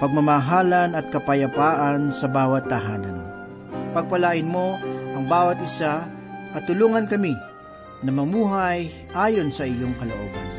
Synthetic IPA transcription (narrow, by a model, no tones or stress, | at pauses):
pɐɡ̚mɐmɐɦaːlɐnɐt̪̚kɐpɐjɐpaːʔansɐbaːwɐt̪̚ːɐɦaːnɐ̰n | pɐɡ̚pɐlaːʔɪnmo̞ʔɐŋbaːwɐt̪̚ɪsa | kɐt̪ʊluːŋɐnkɐmi | nɐmɐmuːɦɐj | ʔaːjonsɐʔɪjoŋkɐloʔo̰ːɡa̰n